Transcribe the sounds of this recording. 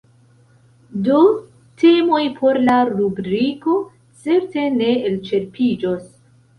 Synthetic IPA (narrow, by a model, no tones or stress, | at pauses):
do | tʰe̞mo̞jpʰo̞ɾlaɾubɾiko̞ | t͡se̞ɾte̞ne̞elt͡ʃe̞ɾpid͡ʒos